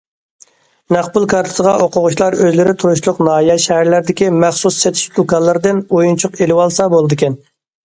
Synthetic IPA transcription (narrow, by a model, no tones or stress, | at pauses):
næχbʊlˠkʰɑɾt̪ʰɨ̥səʁɑʔoqʰʊʁʊʃlˠɑɾøzlɪɾɪt̪ʰuɾuʃlˠʊqnɑːijɛʃɛhæɾlæɾd̪ɪkʲimæχsusːɛt̪ʰɪ̥ʃlˠokɑlˠːɨɾd̪ɨnojunt͡ʃʰʊqelɪwɑlˠsɑbolˠɨd̪ɨkʲʰɛn